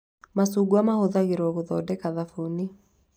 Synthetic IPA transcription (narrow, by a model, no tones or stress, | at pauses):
masuɡuamahoðaɣeɾɔɣoðɔdɛkaðafoni